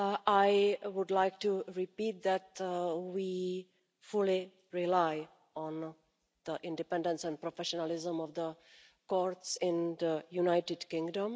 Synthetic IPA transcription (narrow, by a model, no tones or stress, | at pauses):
aɪwʊɖlaɪk̚ʈuɾipiːt̚d̪ætwi | fʊli | ɾilaɪ | ɔ̃n | d̪̥əʔɪ̃nɖɪpɛ̃nɖə̃nsɛ̃nɖpɾofɛʃɔnəlɪzə̃mɔvd̪ə | kɔɾtsɪ̃nd̪əjunaɪʈɪɖkɪ̃ŋɡɖə̃m